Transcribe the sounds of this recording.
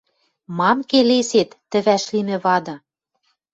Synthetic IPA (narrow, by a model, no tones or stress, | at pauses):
mɑmkeleset̪ːɘ̆βæʃlimɘ̆βɑd̪ɤ̆